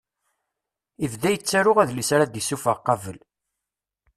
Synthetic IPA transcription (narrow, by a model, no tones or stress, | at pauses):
ivðæjət͡sːæɾʊʁæðlisɾad̪isufəʁqːɑvəl